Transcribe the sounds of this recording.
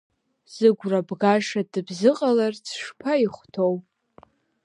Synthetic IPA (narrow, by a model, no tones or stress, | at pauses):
z̥ɨɡʷrabɡaʂadɨbzɨqʼalart͡sʰʂpʰaiχʷtʰowpʼ